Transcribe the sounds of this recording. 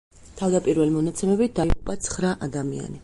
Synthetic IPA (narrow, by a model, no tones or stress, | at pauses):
t̪ʰavd̪apʼiɾvɛlimɔnat̪sʰɛmɛbit̪̚d̪aiʁupʼat̪sʰχɾaʔad̪amia̰ni